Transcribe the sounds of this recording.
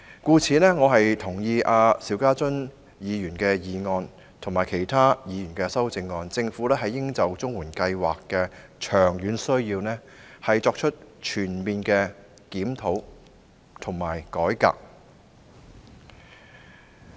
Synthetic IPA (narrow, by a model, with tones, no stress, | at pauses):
kuː˧t͡sʰiː˨˧nɛː˥ŋɔː˨˧ɦɐ˨jt̪ʰʊ˨˩ŋjiː˧ʔaː˨˧siː˨˥wkaː˥t͡sɵ˥n | jiː˨˧jyː˨˩nkɛː˧jiː˨˧ŋɔː˧n | t̪ʰʊ˨˩ŋmaː˨˩jkʰe˨˩jt̪ʰaː˥jiː˨˧jy˨˩nkɛː˧sɐ˥wt͡sɪ˧ŋːɔː˧nt͡sɪ˧ŋfuː˨˥lɛː˥ɦɐ˨jːɪ˥ŋt͡sɐ˨wt͡sʊ˥ŋwuː˨˩nkɐ˧jwaː˨kːɛː˧ | t͡ʃʰœː˨˩ŋjyː˨˥nsɵ˥ɥjiː˧wnɛː˥ | hɐ˨jt͡sɔː˧k̚t͡ʃʰɵ˥t̚t͡ʃʰyː˨˩nmiː˨nkɛ˧ | kiː˨˥mt̪ʰo˨˥w | t̪ʰʊ˨˩ŋmaː˨˩jkɔː˨˥jka̰ː˧k̚